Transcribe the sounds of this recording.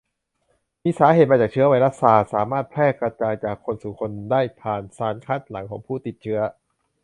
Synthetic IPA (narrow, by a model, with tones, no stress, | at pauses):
miː˧saː˩˦ɦeː˨˩t̪̚ma˧t͡ɕaː˨˩t͡ɕʰɯ˦˥ɐwa˧jɾa˦˥t̪̚saː˧saː˩˦maː˥˩t̪̚pʰɾɛː˥˩kɾa˧t͡ɕaː˧jt͡ɕaː˨˩kʰːo˧nsuː˨˩kʰo˧ndaː˥˩jpʰaː˨˩nsaː˨˩nkʰa˦˥˩t̪̚la˩˦ŋkʰɔː˩˦ŋpʰuː˥˩t̪i˨˩t̪̚t͡ɕʰɯ˦˥ɐ